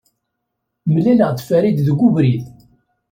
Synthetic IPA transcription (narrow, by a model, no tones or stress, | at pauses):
məlæləʁd̪fæɾid̪ðəɡːuvɾið